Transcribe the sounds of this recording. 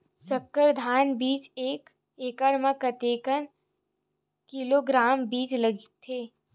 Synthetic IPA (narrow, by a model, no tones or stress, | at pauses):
sɐkːəɾd̪ʱaːnbiːt͡ʃeːk | eːkəɽməkət̪eːkən | kiloːɡɾaːmbiːt͡ʃləɡit̪ʰːeː